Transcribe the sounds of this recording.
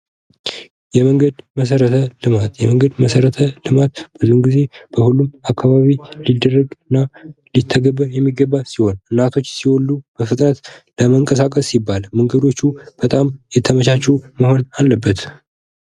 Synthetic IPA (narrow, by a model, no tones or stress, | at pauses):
jɛməŋɡəd̪məs̬əɾət̪ʰəlɨmat̪jɛməŋɡəd̪məsəɾət̪ʰəlɨmat̪̚b̥ɨzuhnɡize̞b̥əhulːumakʰːaβaβilid̪ərːəɡɨnːalit̪ʰːəɡəβːəɾjɛmːiɡəbːasiho̞nʔɨnːat̪ʰo̞t͡ʃːsiwolːub̥əfɨt̪ʼnət̪ləməŋkʼəsakʼəsːibːalmɨŋɡəd̪o̞t͡ʃːub̥ət̪ʼamjɛt̪ʰəməʃat͡ʃːɛuməho̞nalːəbːət̪